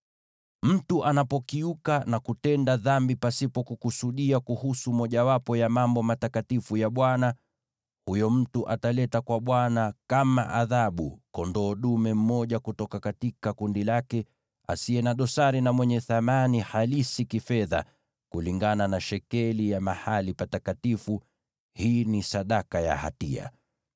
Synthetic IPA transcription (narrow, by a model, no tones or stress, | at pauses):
m̩tuʔanapɔkiukanakutɛndaðambipasipɔkukusuɗiakuhusumɔʄawapɔjamambɔmatakatifujaɓwana | hujɔm̩tuʔatalɛtakwaɓwanakama̰ʔaðaɓṵkɔndɔːɗumɛm̩mɔʄakutɔkakatikakundilakɛ | a̰siɛnaɗɔsaɾinamwɛɲɛθamanihalisikifɛða̰ | kuliŋɡananaʃɛkɛlijamahalipatatkatifu | hiːnisaɗakaja̰ha̰tḭa̰